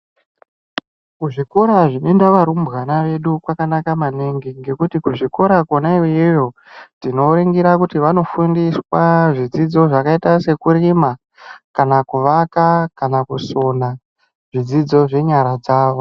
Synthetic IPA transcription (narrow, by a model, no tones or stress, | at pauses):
kuʐiko̞ɾaʐine̞ndaʋaɾumbɣanaʋe̞ɗukwakanakamaneŋɡiŋɡe̞kutikuʐiko̞ɾakonaiʋijejo̞ | tino̞ɾeŋɡiɾakutiʋano̞fundiswaʐid͡zid͡zo̞ʐakaitase̞kuɾima | kanakuʋakakanakuso̞na | ʐ̥id͡zid͡zo̞ʐe̞ɲaɾad͡zaːʋo̞